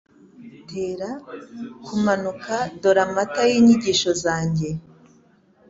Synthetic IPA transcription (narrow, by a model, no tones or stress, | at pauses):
tʰeːɾa | kumanukʰado̞ɾamatajiːɲiɟiʃo̞zaːɲɟe̞